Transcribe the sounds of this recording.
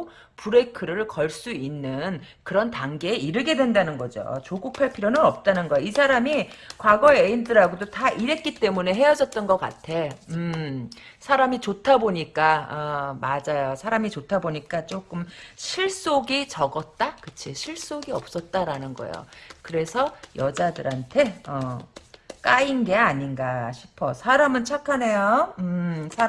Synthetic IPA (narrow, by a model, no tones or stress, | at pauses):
puɾe̞kʰɯɾɯɭkʌɭs͈uinːɯn | kɯɾʌntaŋɡe̞ːiɾɯɡe̞dwe̞ndanɯnɡʌd͡ʑo̰t͡ɕoɡuk̚pʰaɭpʰiɾjonɯnʌp̚t͈anɯnɡʌjoisʰaɾamikwaɡʌeeindɯɾaɡodotaʔiɾe̞t̚k͈it͈e̞mune̞ɦe̞jʌd͡ʑʌt̚t͈ʌnɡʌk͈a̰tʰe̞ɯ | sʰaɾamit͡ɕotʰaboɲik͈aʌmad͡ʑajosʰaɾamit͡ɕotʰaboɲik͈at͡ɕ͈ok͈ɯmɕʰiɭs͈oɡit͡ɕʌɡʌt̚t͈akɯt͡ɕʰiɕʰiɭs͈oɡiʌ̰p̚s͈ʌt̚t͈aɾanɯnɡʌ̰jo̰kɯɾe̞sʰʌjʌd͡ʑadɯɾɦantʰe̞ʌ | k͈ainɡe̞aɲinɡaɕʰi̥pʰʌsʰaɾamɯnt͡ɕʰakʰane̞joɯsʰa